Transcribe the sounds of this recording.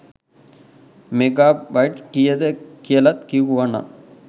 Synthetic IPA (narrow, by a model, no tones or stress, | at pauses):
meɡaːbajʈskijəd̪əkijəlat̪kiuʋana̰